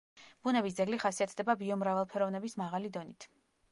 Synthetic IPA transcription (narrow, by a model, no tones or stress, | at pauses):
b̥unɛbis̬d̪zɛɡliχasiat̪ʰd̪ɛbabiɔmɾavalˠpʰɛɾɔvnɛbismaʁalid̪ɔnit̪ʰ